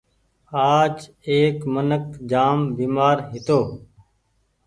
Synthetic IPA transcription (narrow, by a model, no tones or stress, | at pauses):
aːt͡ʃ | eːkmənəkd͡ʒaːmbiːmaːɾɦɪt̪oː